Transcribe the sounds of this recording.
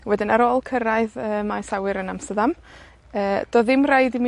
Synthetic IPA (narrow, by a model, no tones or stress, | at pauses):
wɛdɪnaɾoːlˠkʰəɾaɨðəːmasawɪɾənamstədam | əːd̥ɔðɪmrajdimi